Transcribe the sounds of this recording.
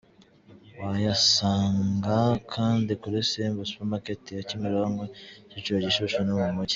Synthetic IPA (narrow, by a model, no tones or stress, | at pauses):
wajasaːŋɡakʰaːndikuɾesembospemaketijacimiɾoaŋɡocit͡ʃoɟiʃuʃonomumuci̥